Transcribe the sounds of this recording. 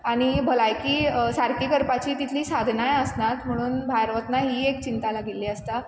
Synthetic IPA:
aɽ̃ibʱəlajkiːsaɾkiːkəɾpat͡ɕiːt̪it̪ʰliːsad̪ʱnajəsnat̪m̤əɽ̃uːnbʱajɾʋət̪naɦiːek̚t͡ɕint̪alaɡʱilːiːəst̪a

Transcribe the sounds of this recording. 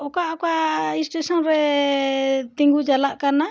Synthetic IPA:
ɔkaʔɔkaisʈesɔnɾɛ | t̪iŋɡud͡ʒalaʔkana

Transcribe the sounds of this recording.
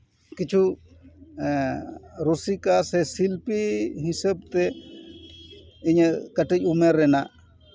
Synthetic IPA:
kit͡ʃʰu | ɾusikasɛsilpiɦisəb̚t̪ɛ | iɲkəʈic̚ˀumeɾːɛnaʔ

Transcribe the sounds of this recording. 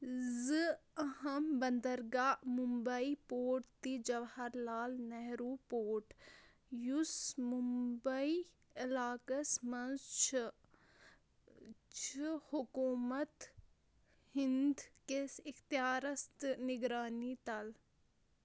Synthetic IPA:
zɨɐɦɐmbɐnd̪əɾɡaːmumbɐipoːʈt̪id͡ʒɐʋhɐɾlaːlnɐɦɾupoːʈ | jusmumbɐi | ɐlaːkɐsmɐnzt͡ʃʰ | t͡ʃʰihʊkuːmɐt̪ | hɪnd̪kesɪxt̪ijaːɾɐst̪nɪɡɾaːnit̪ɐl

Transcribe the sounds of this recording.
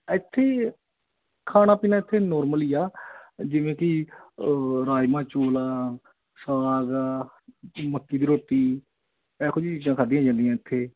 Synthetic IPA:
ət̪ʰːeː | kʰaːñaːpiːnaːɪt̪ʰːeːnɔːɾməliːaːd͡ʒɪʋẽːkɪ | ɾaːjmãːt͡ʃoːlaː | səʋaːɡ | məkːiːd̪iːɾoːʈiː | ɛːkʰʊd͡ʒiːt͡ʃiːd͡ʒãːkʰaːd̪ijãːd͡ʒãːnd̪ijãːɪt̪ʰːeː

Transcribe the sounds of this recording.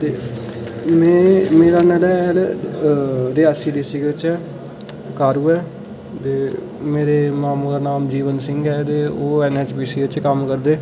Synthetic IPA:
t̪eː | mɛ̃ːmeːɾaːnɛːlɛːɛːl | ɾeːɛsiːɖiːsiːkeɪt͡ʃɛː | kaːɾuːɛː | t̪eː | meːɾeːmaːmud̪aːnaːmd͡ʒiːʋənsɪŋɡɛːt̪eːoːɛːnɛːt͡ʃbiːsiːɪt͡ʃkəmkəɾd̪eː

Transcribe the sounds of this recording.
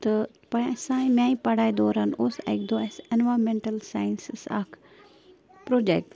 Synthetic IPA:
t̪ɐ | pɐɳɐsãːĩmãːĩpɐɽaːjd̪oːɾanosa̰k̚d̪oɛsenʋaːɾmẽɳʈɐlsaːjnssa̰ːkʰ | pɾoːd͡ʒek̚ʈ

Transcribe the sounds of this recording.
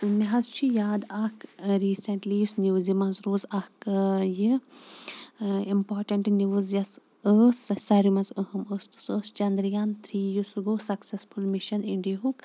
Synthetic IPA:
miɦɐzt͡ʃʰijaːd̪ɐkɾiːsɐɳʈliusniʋzimɐ̃nzɾoːzɐkji | impaːɾʈɐɳʈnʲiʋɨzjɐs | əsɐsɐɾimɐzəɦɐməst̪u̥səːst͡ʃɐnd̪ɾijaːnt̪ʰɾiːjusuɡoːsɐksesfulmiʃɐniɳɖijɦuk

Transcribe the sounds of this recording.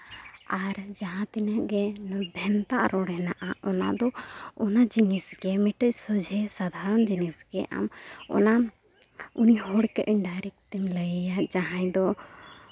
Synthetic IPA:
aɾd͡ʒaɦãt̪ɛnəɡɛnbʱɛnt̪aʔɾɔɽɛnaʔaʔɔna̰d̪ɔɔnad͡ʒinisɡɛmɛʈəc̚sɔd͡ʒʱɛsad̪ʱaɾɔnd͡ʒinisɡɛʔa̰mɔ̰na | uniɦɔɽkɛʔɛɳɖaɾɛk̚t̪imləjjaʔd͡ʒaɦãjd̪ɔ

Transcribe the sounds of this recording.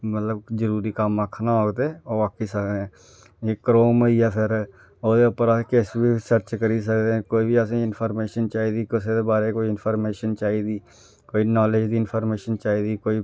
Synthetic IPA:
mət̪ləbd͡ʒəɾuːɾikamːakʰnaɦoːɡd̪ẽoʋaːkisəkd̪eɛ̃ː | jekəɾoːməiapʰɪɾ | oːd̪eʊpəɾakesbʱisəɾt͡ʃkəɾis̬əkd̪eɛ̃ːkoːibʱiəs̬ẽɪnpʰɔːɾmeːʃənt͡ʃaːid̪iːkʊsed̪ebaːɾekoːiɪnpʰəːɾmeːʃənt͡ʃaːid̪iː | koːinɔːled͡ʒd̪iːɪnpʰɔːɾmeːʃənt͡ʃaːid̪ikoːi

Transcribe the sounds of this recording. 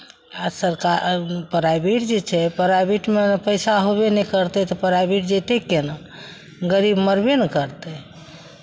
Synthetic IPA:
asəɾkapəɾabiʈd͡ʒet͡ʃʰɛpəɾabiʈmenpəjsaɦobenɛkəɾt̪ɛt̪ɔpəɾabiʈd͡ʒet̪ekenə | ɡəɾibməɾbenekəɾt̪ɛ

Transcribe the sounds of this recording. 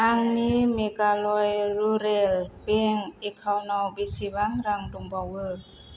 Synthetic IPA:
ʔaŋnimekalɔjɾuɾelbeŋekʰawnɔwbisibaŋɾaŋduŋbɔwɯ

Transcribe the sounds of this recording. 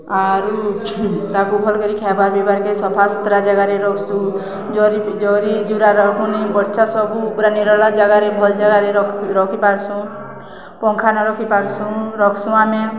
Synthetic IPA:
aɾu | t̪akubʱɔlkɔɾikʰabaɾbebaɾkesɔpʰasɔt̪ɾad͡ʒaɡaɾeɾɔkʰsũ | d͡ʒɔɾid͡ʒɔɾid͡ʒuɾaɾɔkʰunibɔɾt͡ʃʰasɔbupuɾaneɾɔlɔd͡ʒaɡaɾebʱɔld͡ʒaɡaɾeɾɔɾɔkʰipaɾsũ | pɔŋkʰanɔɾɔkʰipaɾsũɾɔkʰsũame

